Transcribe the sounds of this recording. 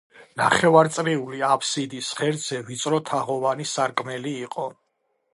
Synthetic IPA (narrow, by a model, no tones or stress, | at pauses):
na̰χɛvaɾt̪sʼɾiuliapʰsid̪isχɛɾd̪z̥ɛvit̪sʼɾɔt̪ʰaʁɔvanisaɾkʼmɛliːqʼɔ